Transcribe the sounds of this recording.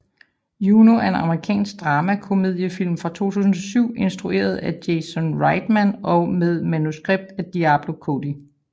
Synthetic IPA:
junoæɐe̝nɑ̈məʁikʰɛ̰ːnsɡ̥̚d̥ʁɑːmækʰo̝me̝ð̰ˠjəfil̰mfʁɑ̈t͡sʰo̝̰ːt͡sʰṵːsn̩ɒ̽syʊ̰e̝nsd̥ʁuʔe̝̰ːɐð̞̩ˠæd̥jesɔnʁɑ̈ɪd̥mænɒ̽með̞ˠmænusɡ̥ʁeb̥̚d̥æd̥iæb̥lo̝kʰod̥i

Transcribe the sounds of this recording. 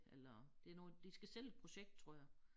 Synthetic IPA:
elɐd̥e̝æɐnɔːd̥isɡ̥æsel̰ed̥̚pʰʁo̝ɕeɡ̥̚d̥̚t͡sʰʁo̝ɐ̰jɑ̈ɪ

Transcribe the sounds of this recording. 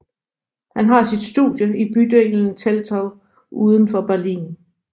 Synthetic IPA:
hænɦɑ̈sid̥sd̥ṵðˠjəib̥yd̥eln̩t͡sʰelt͡sʰɒʊ | ʔuːð̞ˠn̩fɒ̽b̥æɐlḭːn

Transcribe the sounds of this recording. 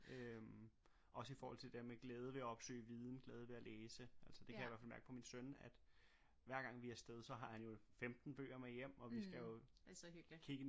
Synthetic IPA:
øm | ʔɒ̽səifɒɔːhɒ̽l̰t͡sʰe̝d̥eɐmeɡ̥leːð̞ˠəʋe̝æɒ̽b̥sø̰ːɪʋiːð̞ˠn̩ɡ̥lɛːð̞ˠəʋe̝æleːsəʔæl̰səd̥e̝æjʋæɐfælmæɐɡ̥əpʰɒ̽minsønæd̥ | ʋæɐɡ̥ɑ̈ŋ̰ʋiæɐsd̥eð̞ˠsɒ̽ɦɑ̈hænjo̝femd̥n̩b̥ø̰ːɐmejem̰ɒ̽ʋisɡ̥æjo̝ | kʰiɡ̥ə

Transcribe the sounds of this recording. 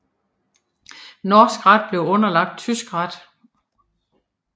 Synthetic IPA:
nɒːsɡ̥ʁad̥̚b̥le̝ʊɔ̽nɐlɑ̈ɡ̥̚d̥̚t͡sʰysɡ̥ʁɑd̥

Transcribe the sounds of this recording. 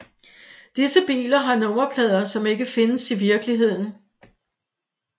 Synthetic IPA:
d̥isəb̥ḭːlɐɦɑ̈nɔ̽mɐpʰlɛð̞̰ˠɐsɒ̽me̝ɡ̥əfe̝nəsiʋiɐɡ̥əliɦe̝ð̞̰ˠn̩

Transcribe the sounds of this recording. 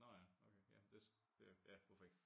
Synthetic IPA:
nɒjæoʊkʰejæ̰d̥e̝s | d̥e̝jæʋɑfɒeɡ̥

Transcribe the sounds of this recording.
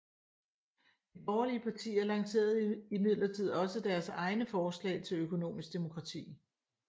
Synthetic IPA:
d̥ib̥ɒːɐliəpʰɑ̈t͡sʰḭːæɐlɑ̈ŋse̝̰ːɐð̞̩ˠimið̞̰ˠlɐt͡sʰið̞̰ˠɒ̽səd̥æɐsɑ̈ɪnəfɒːslɛ̰ːɪt͡sʰe̝løkʰo̝no̝̰ːmisɡ̥d̥e̝mo̝kʰʁɑ̈t͡sʰḭː

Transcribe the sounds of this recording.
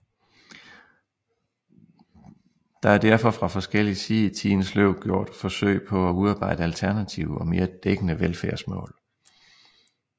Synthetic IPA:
d̥ɑ̈æɐd̥æɐ̰fɒ̽fʁɑ̈fɒ̽sɡ̥el̰isiːð̩ˠit͡sʰiːnəsløʊ̰̥ɡ̥jo̝ɐ̰d̥fɒ̽sø̰ɪ̰pʰɒ̽æuðˠɑ̈ːb̥ɑ̈ɪ̰d̥əælt͡sʰæɐnæt͡sʰiʊəɒ̽me̝ːɐd̥eɡ̥ənəʋelfæɐsmɔ̰̽ːl

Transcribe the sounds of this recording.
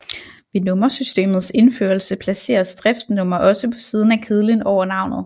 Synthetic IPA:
ʋinɔ̽mɐsysd̥e̝̰ːmð̞̩ˠse̝nfø̰ːɐlsəpʰlæse̝̰ːɐsd̥ʁɛfd̥nɔ̽mɐʔɒ̽səpʰɒ̥̽siːð̞ˠn̩ækʰeð̞̩ˠlinɒʊɐnɑ̈ʊnð̞̩ˠ

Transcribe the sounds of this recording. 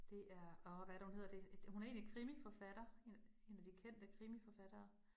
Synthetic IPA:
d̥e̝ʔæɐɒʋæɾæhunhe̝ð̰ˠɐd̥e̥hunæɐe̝ːnlikʰʁimifɒ̽fæɾ̥ɐe̝e̝ːnæd̥ikʰen̰d̥əkʰʁimifɒfæɾ̥ɐː

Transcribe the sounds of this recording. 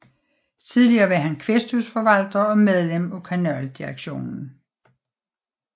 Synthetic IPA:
t͡sʰiðˠliɐːʋæɐɦænkʰʋesd̥usfɒ̽ʋæl̰d̥ɐɒ̽með̞ˠlem̰ɒkʰænœld̥iʁaɡ̥ɕo̝̰ːnn̩

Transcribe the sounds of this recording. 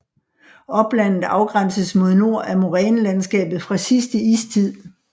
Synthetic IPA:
ɒ̽b̥læn̰ð̩ˠɑ̈ʊɡ̥ʁan̰səsmo̝ð̞ˠno̝ɐ̰ʔæɐmo̝ʁɛːnlænsɡ̥ɛ̰ːb̥ð̩ˠfʁɑ̈sisd̥əḭːst͡sʰið̰ˠ

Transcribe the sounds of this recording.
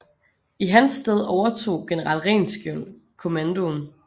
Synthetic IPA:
iɦænsd̥eð̞ˠɒʊɐt͡sʰo̝̰ːɡ̥enəʁɑ̰l̰ʁɛ̰ːnsɡ̥jol̰ | kʰo̝mænd̥o̝n

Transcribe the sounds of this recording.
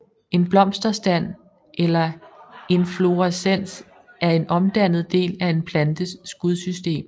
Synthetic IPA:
e̝nb̥lɒ̽m̰sd̥ɐsd̥æn̰ | ʔelɐe̝nflo̝æsen̰s | ʔæɐe̝nɒ̽md̥æn̰ð̞̩ˠd̥e̝̰ːlæe̝npʰlænd̥əsɡ̥uð̞ˠsysd̥e̝̰ːm

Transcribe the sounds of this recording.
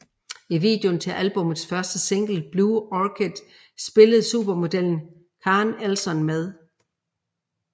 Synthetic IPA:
iʋḭːd̥jont͡sʰe̝lʔælb̥ɔ̽məð̩ˠsfɶɐsd̥əse̝ŋ̰ɡ̥l̩b̥luːɒkʰed̥ | sb̥e̝ləð̩ˠsṵːb̥ɐmo̝d̥el̰n̩ | kʰɑ̈ːnælsɒ̽nmeð̞ˠ

